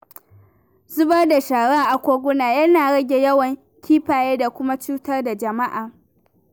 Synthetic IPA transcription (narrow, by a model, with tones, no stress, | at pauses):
zʊ˦bɐ˦rda˨ʃaː˨ɽaː˦ʔa˨kʷoː˦ɡʷʊ˦naː˨jɐ˦naː˨ɽɐ˦ɡʲe˨jɐ˦wɐ˨ŋ | kʲʰiː˦ɸaː˨jeː˦da˨kʷʊ˦ma˦t͡ʃuː˦tɐ˦rda˨d͡ʒɐ˨ma˦ʔaː˨